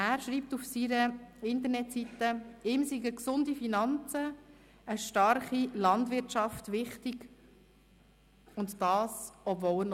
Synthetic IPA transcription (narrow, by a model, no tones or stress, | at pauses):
æːɾʃɾiːp̚tufsiɾəɪntəɾnɛtsitːəɪːmsiɡəksʊndifinɑnt͡sə | əʃtɑɾχilɑndʋɪɾtt͡ʃɑftʋɪχtɪɡ | ʊntd̥ɑːsɔbvɔləɾn